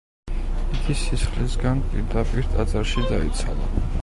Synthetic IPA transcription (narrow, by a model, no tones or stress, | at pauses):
iɡisisχlisɡanpʼiɾd̪apʼiɾt̪ʼad̪zaɾʃid̪aḭt̪sʰa̰lˠa